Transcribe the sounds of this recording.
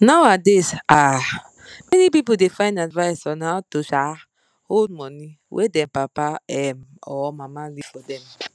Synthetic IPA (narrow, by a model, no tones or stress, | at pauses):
nawadesa | mɛnipipodefãɪ̃ndadvajsɔnatoʃa | hod̚mɔni | wʔḛdɛ̃mpapaɛmɔmamali̥fɔdɛ̃m